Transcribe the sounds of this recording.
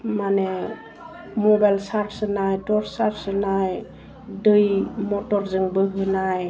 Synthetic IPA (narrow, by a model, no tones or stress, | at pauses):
mane | mɔbajlsaɾsɯnajtɔɾsaɾsɯnaj | dɯjmɔtɔɾzɯŋbɯɦɯnaj